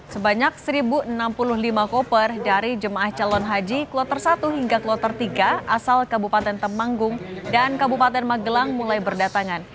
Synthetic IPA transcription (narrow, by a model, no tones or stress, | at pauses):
səbaɲak̚səɾibuənampulʊhlimakɔpərdaɾid͡ʒəmaʔaht͡ʃalɔnɦad͡ʒiklɔt̪ərsat̪uɦiŋɡaklɔt̪ərt̪iɡaasalkabupat̪ɛnt̪əmaŋɡʊŋdankabupat̪ɛnmaɡəlaŋmulajbərdat̪aŋan